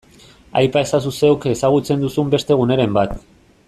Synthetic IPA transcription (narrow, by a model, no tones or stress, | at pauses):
a̰jpae̞sas̬use̞oke̞saɣ̞ut͡se̞nd̪usumbe̞st̪e̞ɣ̞une̞ɾe̞mbat̪